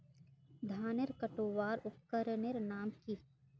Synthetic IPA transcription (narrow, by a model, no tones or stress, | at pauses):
d̪ʱaːneɾkəʈoːʋaːɾʊpkəɾneɾnaːmki